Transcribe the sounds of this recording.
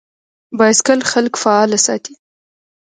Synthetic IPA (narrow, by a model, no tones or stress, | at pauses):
bɑjaskəlxalkfaɑlasɑ̰t̪i̥